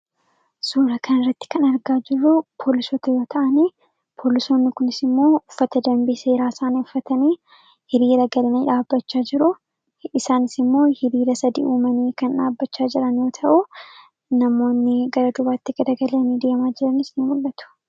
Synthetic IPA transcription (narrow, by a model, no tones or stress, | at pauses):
suːɾɐkɐnɪrːɐt̪ːɪ̥kɐnɐɾɡaːd͡ʒɪrːʊpʰo̞ːlɪsoːt̪ɐjo̞ːt̪ʰɐʔɐniː | pʰo̞ːlɪso̞ːnːɪkʊnɪsɪmːo̞ːʊfːɐt̪ɐd̪ɐmbiseːɾaːsaːneʊfːɐt̪ɐniː | hɪɾiːɾɐɡɐlɐniːᶑaːbːɐt͡ʃːaːd͡ʒɪɾʊ | ɪsaːnɪsɪmːo̞ːhɪɾiːɾɐsɐd̪ḭːʔuːmɐniːkɐnᶑaːbːɐt͡ʃːaːd͡ʒɪɾɐnjo̞ːt̪ʰɐʔʊ | nɐmo̞ːnːɪɡɐɾɐd̪ʊbaːt̪ːɪɡ̥ɐd̪ɐɡɐlɐnid̪eːmaːd͡ʒɪɾɐnɪsnɪmʊlːɐt̪ʊ̥